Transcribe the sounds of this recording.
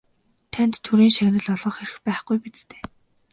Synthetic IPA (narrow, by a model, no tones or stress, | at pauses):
t̪ʰænt̪ʰːuɾiːŋʃænə̆ɮɔɮʁɞ̆ːχeɾɘ̆xpæːχɡ̥ujpit͡st̪ʰe̥ː